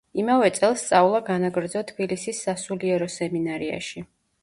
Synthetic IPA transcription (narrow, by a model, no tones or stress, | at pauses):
imavɛt̪sʼɛlˠst̪sʼaulˠaɡanaɡɾd̪zɔt̪ʰbilisisːasuliɛɾɔsɛminaɾia̰ʃi